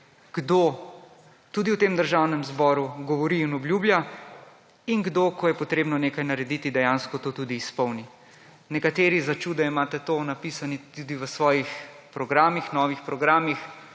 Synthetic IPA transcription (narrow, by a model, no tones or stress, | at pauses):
ɡ̥d̪o | t̪uːd̪iwt̪eːmd̪əɾʒaːwnɛmzbɔːɾuɡɔʋɔɾiːnɔbljuːbja | inɡd̪okɔjɛpɔt̪ɾeːbnɔneːkajnaɾɛd̪it̪id̪ɛjaːnskɔt̪oːt̪ud̪iːspɔwni | nɛkat̪eːɾizat͡ʃuːd̪ɛimaːt̪ɛt̪oːnapisanit̪ud̪iʋəsʋɔːjix | pɾɔɡɾaːmixnɔːʋixpɾɔɡɾaːmix